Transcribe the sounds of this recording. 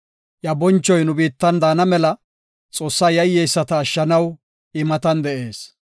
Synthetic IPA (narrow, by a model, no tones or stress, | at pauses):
jɐbɔnt͡ʃːɔjnʊbiːt̪ːɐnd̪aːnɐmɛlɐ | t͡sʼo̞ːsːaːjɐjːɛjsːɐt̪ɐːʃːɐnɐw | ɪmɐt̪ɐnd̪ɛʔe̞ːs